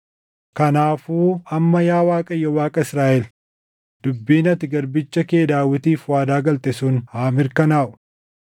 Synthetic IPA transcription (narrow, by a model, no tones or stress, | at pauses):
kɐnaːfuːɐmːɐjaːwaːkʼɐjːɔwaːkʼɐɪsɾaːʔɛl | d̪̥ʊbːiːnɐt̪ɪɡɐɾbɪt͡ʃːɐkeːd̪aːwɪt̪iːfwaːd̪aːɡɐlt̪ɛsuːnhaːmɪɾkɐnaːʔʊ̥